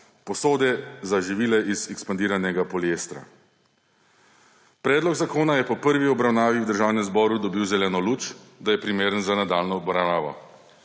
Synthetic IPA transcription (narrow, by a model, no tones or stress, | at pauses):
pɔsoːd̪ɛzaʒiʋiːlɛʔizɛkspand̪iːɾanɛɡapɔleːst̪ɾa̰ | pɾɛːd̪lɔɡzakoːnajɛpɔpəɾʋiɔbɾawnaːʋiwd̪əɾʒaːwnɛmzbɔːɾud̪ɔbiːwzɛlɛːnɔluːt͡ʃd̪ajɛpɾimeːɾənzanad̪aːlnɔbɾanaːʋɔ̰